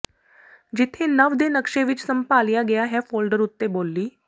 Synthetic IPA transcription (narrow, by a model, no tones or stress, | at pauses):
d͡ʑit̪ʰenəʋd̪enəkʂeʋit͡ʃsəmpaljaɡɛjaɦɛfoːlɖəɾut̪ːebolːiː